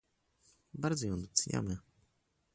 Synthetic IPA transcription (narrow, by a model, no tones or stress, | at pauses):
baɾd̪zɔjɔnd̪ut̪sɲa̰mɘ